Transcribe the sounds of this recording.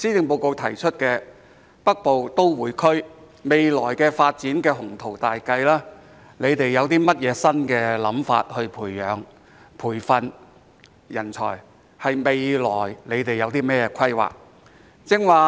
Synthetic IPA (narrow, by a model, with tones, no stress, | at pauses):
siː˥t̪ɪ˨ŋpo˨˧wko˨˧wt̪ʰɐ˨˩jt͡ʃʰɵ˥t̚kɛː˧ | pɐ˥k̚po˨wt̪o˥wwuː˨˧jkʰɵ˥ɥ | me˨jlɔː˨˩jkɛː˧faː˧t̚t͡siː˨˥nkɛː˧ɦʊ˨˩ŋt̪ʰo˨˩wt̪aː˨jkɐ˧jlaː˥ | le˨˧jt̪e˨jːɐ˨˧wt̪iː˥mɐ˥t̚jɛː˨˧sɐ˥nkɛː˧lɐ˨˧˥mfa̰ː˧t̚hɵ˧ɥpʰuː˨˩jːœː˨˧ŋ | pʰuː˨˩jfɐ˧n | jɐ˨˩nt͡ʃʰɔ̰ː˨˩j | hɐ˨jme˨jlɔ̰ː˨˩jle˨˧jt̪e˨˩jːɐ˨˧wt̪iː˥mɛː˥jɛː˧kʰɐ˥jwa̰ː˨˩k̚ | t͡sɪ˥ŋwaː˨